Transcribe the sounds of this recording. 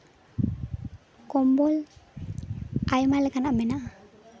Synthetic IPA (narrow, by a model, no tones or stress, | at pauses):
kombɔl | ʔajmalekanamenaʔ